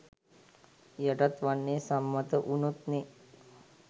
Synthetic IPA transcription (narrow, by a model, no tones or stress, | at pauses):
jaʈat̪ʋanːeːsamːat̪əʔunut̪ne